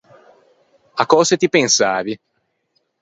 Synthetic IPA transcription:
akːɔːzet̪ipensaːvi

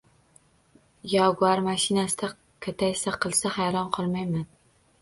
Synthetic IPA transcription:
jɒɡʊaɾmaʃɪnasɪd̪a | kʰɵt̪ʰajsaqʰɨlˠsahajɾɒnqʰɒlˠmajman

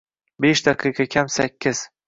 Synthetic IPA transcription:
beʃd̪aqʰɨqʰɑkʲʰamsakʲʰːɪz̥

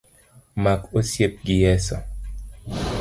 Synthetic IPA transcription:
makosjep̚ɡɪjɛsɔ

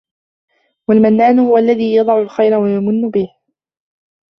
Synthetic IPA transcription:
walmanːaːnʊhʊwaʔlːaðiːjɑd̪ˤɑʕʊlxajɾawajamʊnːʊbɪh

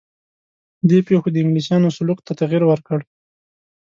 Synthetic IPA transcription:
d̪epexod̪əɪŋɡlisjɑnosʊluqt̪at̪aɣiɾwəɾkəɽ

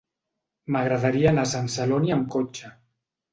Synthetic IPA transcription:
maɣɾaðaɾianasansaloniəmkot͡ʃa

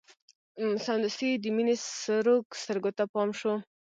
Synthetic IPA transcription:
sand̪usid̪əminesɾokst̪əɾɡot̪apɑmʃo

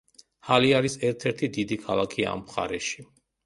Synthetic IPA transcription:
haliaɾisɛɾt̪ʰɛɾt̪ʰid̪id̪ikʰalˠakʰia̰a̰mpχa̰ɾɛʃi̥

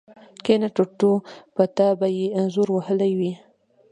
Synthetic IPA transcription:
kenaʈoʈopət̪abajeanzuɾwahəlajwi

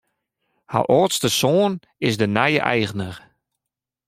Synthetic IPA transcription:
ha̰ʔoːtstəsoːn | ɪsdənɛjə̰ʔɛjɣənər

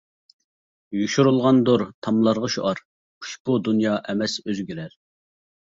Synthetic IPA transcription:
juʃuɾulˠʁɑnd̪uɾt̪ʰɑmlˠɑɾʁɑʃṵʔɑɾ | qʰu̥ʃbud̪unjɑʔɛmɛsøzɡʲyɾɛɾ

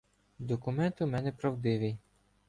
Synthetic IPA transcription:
d̪ɔkʊmɛnt̪ʊmɛnɛpɾɐwd̪ɪʋɪj

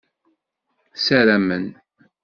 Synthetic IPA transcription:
sæɾæmən

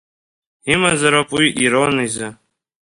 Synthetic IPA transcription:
imazaɾapʼwiʔiɾonizɨ

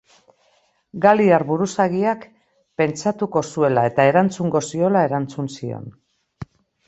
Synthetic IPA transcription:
ɡaliaɾβuɾusaɣiak | pe̞nt͡ʃat̪uko̞sue̞lae̞t̪ae̞ɾant͡suŋɡo̞sio̞lae̞ɾant͡sunsio̞̰n

